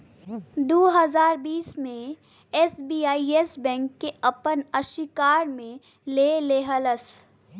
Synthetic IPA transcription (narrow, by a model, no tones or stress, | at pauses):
d̪oːɦəzaːɾbiːsmẽ | ɛːsbiːaːiesbɛ̃ːŋkːeɐpənɐʃɪkaːɾmẽ | leːleːɦələs